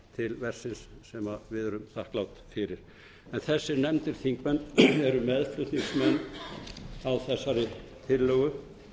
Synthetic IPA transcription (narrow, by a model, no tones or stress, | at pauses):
t̪ʰɪlvɛr̥sɪnsːɛmavɪðœɾʏmθahklawt̪fɪɾɪɾ̥ | ɛnθɛsːɪɾnɛmt̪ɪɾ̥θiŋkmɛnːɛɾʏmɛðflʏt̪niŋsmɛnː | awθɛsːaɾʏt̪ʰɪlːœːɣʏ